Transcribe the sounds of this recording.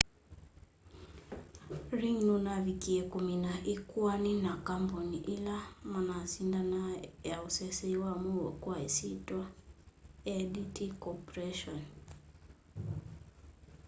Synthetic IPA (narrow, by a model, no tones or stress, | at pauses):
ɾiŋnunavikiɛkuminaʔikuaninakambɔniʔilamanasindanajausɛsɛiwamuwɛkwaisitwa | ɛditikɔpɾɛʃɔn